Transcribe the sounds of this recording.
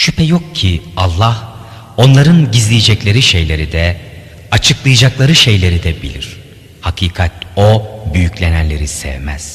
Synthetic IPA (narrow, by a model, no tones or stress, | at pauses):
ʃypʰɛjo̞k̚cʰialˠːah | o̞nlˠaɾɯnɟizlʲijed͡ʒɛclʲe̞ɾiʃejlʲe̞ɾid̪ɛ | at͡ʃʰɯklˠɯjɯd͡ʒaklˠaɾɯʃe̞jlʲe̞ɾid̪ɛbḭlʲiɾ̥ | hakʰiːkʰat̪̚o̞byjycʰlʲe̞nænlʲe̞ɾisɛ̰vmæz̥